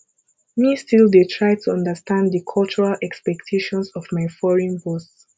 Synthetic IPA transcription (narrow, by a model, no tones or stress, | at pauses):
mistilˠdetʰɹajtʰuʌ̃ndəstãnddəkʰɔlˠt͡ʃuɹalʔɛkspɛktʰeʃɔ̃nsɔvmaɪfɔɹĩnbɔs